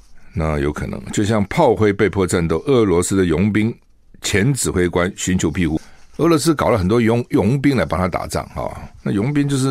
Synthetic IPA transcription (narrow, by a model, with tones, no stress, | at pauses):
na˥˩jo˧˥ʊkʰɤ˨˩nɤ̰˧˦ŋt͡ɕjo˥˧ʊɕjɑ˥˧ŋpʰɑ˥˧ʊxwe˥˧ɪpe˥˧ɪpʰwɔ˥˧ʈ͡ʂa˥˧nt̪̬o˥˩ʊʔɤ˥˩lwɔ˧˥sɹ̩˥d̪ə˨jʊ˧˥ŋpi˥ŋ | t͡ɕʰjɛ˧˥nt͡sɹ̩˨˩xwe˥ɪkwa˦nɕy˧˥nt͡ɕʰjo˧˥ʊpʰi˥˧xu˥˩ɤ˥˩lɔ˧˥s̬̩˥kɑ˨˩ʊlə˦xə˨˩nt̪wɔ˥jʊ˧˥jʊ˧˥ŋpi˥ŋla˧˥ɪpa˨ŋt̪ʰa˥t̪a̰˨˩ʈ͡ʂa̰˥˩ŋhɑ̰˨˩na˥˩jʊ˧˥ŋpi˥ŋt͡ɕjo˧ʊʂ̬̩˥˩